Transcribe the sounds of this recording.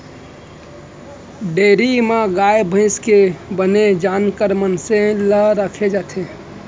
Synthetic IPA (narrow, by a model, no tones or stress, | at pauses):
ɖeɾimãɡajbʱə̃ɪskebəned͡ʒankəɾmənsẽləɾəkʰed͡ʒat̪ʰe